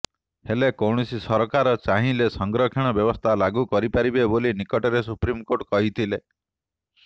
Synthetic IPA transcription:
helekɔwɽ̃ɔsisɔɾɔkaɾɔt͡ʃaɦĩlesɔŋɡɾɔkʰeɽ̃ɔbjɔbɔst̪ʰalaɡukɔɾipaɾibebolinikɔʈɔɾes̬upɾimkoʈkɔɦit̪ʰile

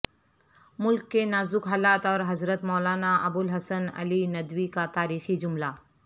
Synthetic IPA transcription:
mʊlkːenaːzʊkɦaːlaːt̪ɔːɾɦɐzɾət̪mɔːlaːnaʔɐbʊlɦɐsənɐ̰linɐd̪wikat̪aːɾiːxid͡ʒʊmla

